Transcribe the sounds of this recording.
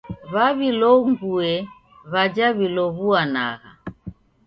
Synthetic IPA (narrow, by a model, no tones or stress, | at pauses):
βaβilɔuŋɡuɛ | βad͡ʒaβilɔβuana̰ɣa̰